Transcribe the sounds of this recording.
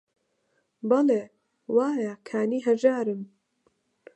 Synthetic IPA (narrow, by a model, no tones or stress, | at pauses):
bɑleː | waːjakʰaːniːɦɐʒaːɾɨm